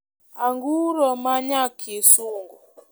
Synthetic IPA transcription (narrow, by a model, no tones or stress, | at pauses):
aŋɡuɾɔmaɲakʰesuŋɡɔ